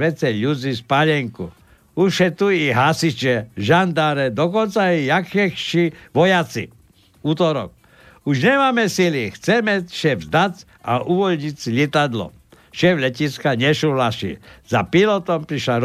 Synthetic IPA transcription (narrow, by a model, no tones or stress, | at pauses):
ʋɛt͡sɛʎud͡zispaʎɛŋku | uʃɛt̪uiɦasit͡ʃɛʒand̪aɾɛd̪ɔkɔnt͡saɛjakɛxʃiʋɔjat͡sḭ | uːt̪ɔɾɔ̰k̚ | uʒɲɛmaːmɛsilixt͡sɛmɛʃɛvzd̪at͡s | aʔuʋɔlɲit͡siʎɛt̪ad̪lɔ̰ | ʃɛvlɛciskaɲɛʃuʋlaʃḭzapilɔt̪ɔmpɾiʃlaɾ